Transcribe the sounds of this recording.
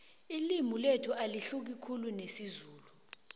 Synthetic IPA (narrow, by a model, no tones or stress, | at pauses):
ilimuletʰuʔaliɬuk̬ikʰulunesizuːlu